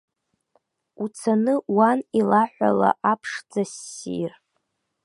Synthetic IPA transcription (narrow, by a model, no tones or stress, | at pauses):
ut͡sʰanɨwanilaħʷa̰la̰ʔapʰʂd͡zasḭr